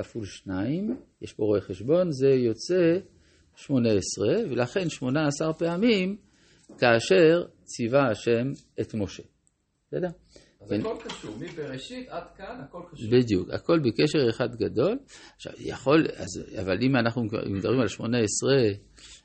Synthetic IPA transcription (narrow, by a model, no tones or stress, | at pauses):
afulʃnaimjeʃboʁoeχeʃbo̞nze̞jo̞t͡se̞ | ʃmo̞neesʁe̞velaχe̞nʃmo̞naːsaʁpeamim | kaːʃe̞ʁ | t͡sivaaʃe̞m | et̪mo̞ʃe̞ | sedea | eolkaʃuibeeiad̪kankolbid̪juka̰ko̞lbekeʃe̞ʁeχad̪ɡado̞laχʃa̰vja̰χo̞la̰zavalimanaχnṵmed̪abʁimalʃmo̞neesʁe